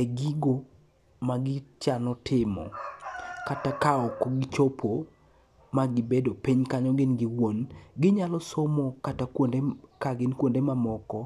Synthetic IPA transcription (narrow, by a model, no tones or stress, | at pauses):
ɛɡiɡo | maɡɪt͡ʃanɔtʰɪmɔ̰ | katakaɔkɔɡɪt͡ʃopʰo | maɡɪbedopiɲkaɲɔɡɪnɡɪwonɡɪɲalɔsomɔkatakndekaɡɪnkwondemamɔkɔ